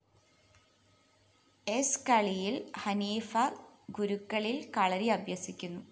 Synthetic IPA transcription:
eskɐɭijilhɐniːfɐɡuɾukːɐɭilkɐɭɐɾiɐbʱjɐsikʲːunːu

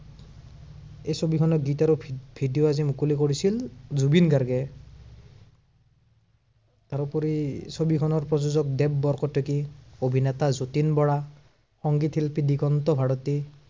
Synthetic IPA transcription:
ejsobikʰɔnɔɡitaɾubʱidijoazimukulikoɹisilzubinɡaɹɡɛ | taɾupɔɾisobikʰɔnɔɹpɹɔzuzɔk̚dɛbːɔɹkɔtʰekiobʱinɛt̪azotinbɔɹa | xɔŋɡit̪ʰilpidikɔnt̪ɔbʱaɹɔt̪i

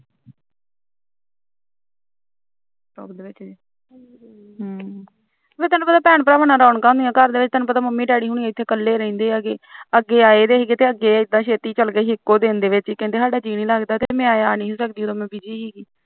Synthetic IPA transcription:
o̰ːbd̪eːʋɪt͡ʃː | ɦ | beːt̪ɛːnːũːpət̪aːpɛːɳpɾaːʋənãːɾaːʊɳkaːʊ̃nd̪ijãːkəɾd̪eːʋɪt͡ʃt̪ɛːnũːpət̪aːməmːiːɖaːɽiːɦuːɳiãɪt̪ʰːeːkəlːeːɾəĩːnd̪eːəɡeːəɡːeːaːeːd̪eːɦiːɡeːt̪eːəɡːeːɪd̪ːãːʃeːt̪iːt͡ʃəlɡəiːɪkːoːd̪eːnd̪eːʋɪt͡ʃːkɛ̃nt̪eːsaːɖaːd͡ʒiːniːlaːɡd̪aːt̪eeːmɛ̃ːaːaːnĩːɦoːsək̚d̪iːoːt̪oːmɛ̃ːbɪd͡ʒiːɦiːɡiː

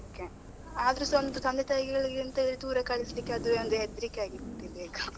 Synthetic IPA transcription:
oke | aːd̪ɐɾusond̪ut̪ɐnd̪ɛt̪ɐjiɡɛɡɐɭiɡɾint̪ɐilt̪uːɾɐkɐɭislikːeɐd̪uond̪uɦed̪ɾikːeaːɡit̪ːibeːɡɐ

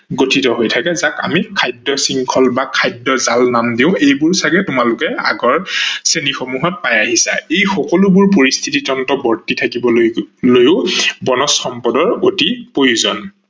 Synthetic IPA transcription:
ɡotʰitɔɦojtʰakɛzaka̰mikʰajdːɔsiŋkʰɔlbakʰajdɔzalnamdiʊ̃ejbʊɹsaɡɛtʊmalʊkɛa̰ɡɔɹsenixomuɦɔt̚pajaɦisa̰ejxɔkɔlubʊɹp̬oɹist̪ʰititɔntɔbɔɹtitʰakibɔlojʊbɔnɔsxɔmpɔdɔɹotipojuzɔn

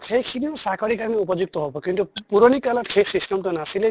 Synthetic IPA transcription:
xʰejkʰiniɔsakʰɔɾikaɹneupɔd͡ʒuk̚t̪ɔɦobɔkintupuɾɔnikalɔtkʰesisʈɔmʈunasile

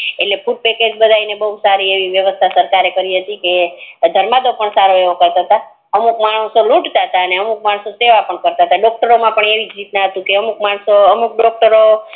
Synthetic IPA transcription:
eʈlepuʈ̚peked͡ʒbəd̪ʱainebəɦusaɾieʋiʋjəʋəst̪ʰasəɾkaɾekəɾiɦət̪iked̪ʱəɾmad̪opəɳsaɾoeʋokəɾt̪aɦət̪a | əmukmaɳ̃əsolũʈt̪aɦət̪aəneəmuk̚maɳ̃soseʋapəɳkəɾt̪aɦət̪aɖɔk̚ʈəɾomãpəɳeʋid͡ʒɾit̪naɦət̪ũkeəmukmaɳ̃soəmuk̚ɖɔk̚ʈəɾo

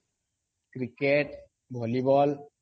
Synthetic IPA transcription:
kɾikeʈ | bʱɔlibɔl

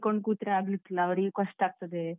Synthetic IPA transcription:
koɳɖ̚kuːt̪ɾɐaːɡlitːilːɐːʋɐɾiɡekɐʂʈaːɡ̚t̪ɐd̪e

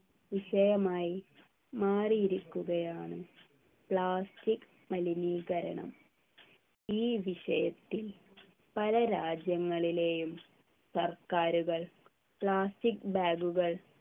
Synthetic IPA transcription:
ʋiɕɐjɐmaːji | maːrijiɾukʲːuɣɐjaːɳɨ | pɭaːstik | mɐliniːɣɐɾɐ̰ɳɐ̰m | iːʋiɕɐjɐt̪ːil | pɐlɐɾaːd͡ʑjɐŋːɐɭile̞ːjum | sɐrkaːɾuɣɐɭ | pɭaːstikbaːɡuɣɐɭ

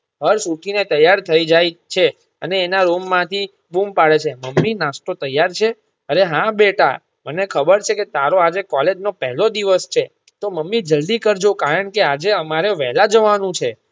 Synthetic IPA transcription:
ɦəɾsuʈʰinet̪əjːaɾt̪ʰəid͡ʒajt͡ʃʰe | əneːnaɾomːãt̪ʰi | bumpaɽet͡ʃʰeməmːinasʈ̪ot̪əjaɾt͡ʃʰe | əɾeɦãbeʈa̰ | mənekʰəbəɾt͡ʃʰeket̪aɾoad͡ʒekɔled͡ʒnopɛɦlod̪iʋəst͡ʃʰe | t̪oməmːid͡ʒəld̪ikəɾd͡ʒokaɾəɳkead͡ʒeəmaɾeʋɛɦlad͡ʒəʋanũt͡ʃʰe

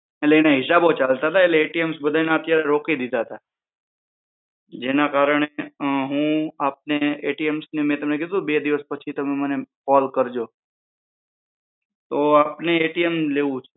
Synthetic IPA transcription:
eleːnaɦɪsabot͡ʃalt̪aɦət̪ʰaeleeʈiemsbəd̪ʱanaət̪jaɾeɾokid̪id̪aɦət̪a | d͡ʒenakaɾəɳ̃eɦũap̚neeʈiemsnemɛ̃t̪əmnekɛd̪ubed̪iʋəspət͡ʃʰit̪əmemənekɔlkəɾd͡ʒo | t̪oapneeʈiemleʋũt͡ʃʰu

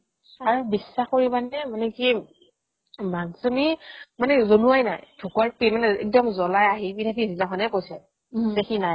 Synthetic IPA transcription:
aɹubisːaxkoɹibanɛmanɛki | maŋsumimanɛzonuajnajdʰʱukwaɹpimanɛɛ̰k̚dɔmzɔlajaɦibitʰakʰizilakʰɔnɛkojsɛ | zɛxinaj

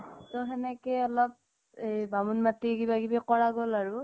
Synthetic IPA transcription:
tɔɦɛnɛkɛjɔlɔp̚ | ejbamunmatikibaɡibɛkɔɹaɡolaɹʊ

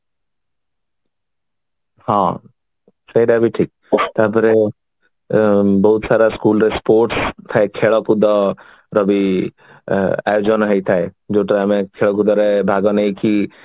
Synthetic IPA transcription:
hã | səiɾabʱiʈʰiːk̚ | t̪aːpəɾe | bɔɦut̪saːɾaskuːlɾespoːɾʈst̪ʰaekʰeːɭɔkud̪ɔ | ɾɔbi | a̰ːjod͡ʒɔnɦəit̪ʰaed͡ʒoʈɾamẽkʰeɭɔkud̪ɔɾebʱaɡɔnəiki

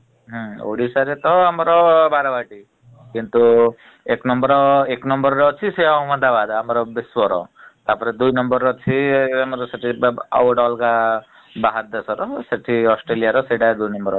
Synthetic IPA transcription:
ɦɔ̃o̰ɽisaɾet̪ɔamɔɾɔbaɾabaʈi | kint̪u | eknɔmbɔɾɔeknɔmbɔɾɔɾɔːt͡ʃʰisejaɔmɔd̪abad̪amɔɾɔbiswɔɾɔ̰t̪apɔɾed̪ujnɔmbɔɾɔt͡ʃʰiamɔɾɔseʈʰibɔ̰wɔɖɔlka | baɦad̪ɔsɔɾɔseʈʰiɔsʈɾelijaɾɔseɖad̪ujnɔmbɔɾ

